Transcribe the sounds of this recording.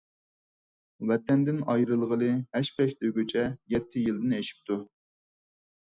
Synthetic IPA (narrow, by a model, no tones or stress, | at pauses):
wɛt̪ɛnd̪ɪnɑjɾɨlˠʁəlˠɨhɛʃpɛʃt̪øɡʲøt͡ʃʰɛjɛt̪ʰːɪjilˠd̪ɪneʃi̥p̚t̪ʰu